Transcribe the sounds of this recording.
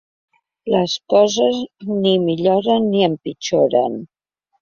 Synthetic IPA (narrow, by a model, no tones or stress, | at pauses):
ləskɔzəznimiʎoɾənːiəmpit͡ʃoɾə̰n